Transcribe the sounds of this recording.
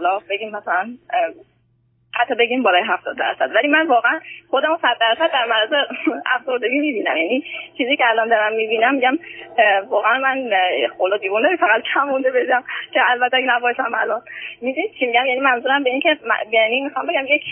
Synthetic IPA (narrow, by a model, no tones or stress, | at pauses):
olɒːbe̞ɡʲiːmːæsælæn | æt̪ʰːɒbe̞ɟimbɒːlɒːjɦæft̪ɒːd̪d̪æ̰ɾsæd̪vælimænvɒːɣeænxo̞d̪æmosæd̪̚ːæɾsæd̪̚ːæɾmæɾæzeæfz̥o̞ɾd̪e̞ɡʲiːmiːbiːnæmjænit͡ʃʰiːziːcʰeælɒnd̪ɒɾæmmibiːnæmːiɟæmvɒːɣeænmæn̰xolɒːd̪iːvund̪eɾifæɣæt̪̚kʰæmːund̪ebed͡ʒæmcʰeælbæt̪ʰːeæɡnæbɒːʃæmæ̰lɒnmid̪unit͡ʃʰimiɟæmjænimænzuːɾæmbeiːncʰe̞m̰jænimixɒmbeɡæmje